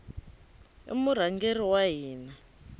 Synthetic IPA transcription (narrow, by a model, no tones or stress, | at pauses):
ḭmuɾ̤aŋɡeriwaɦiːna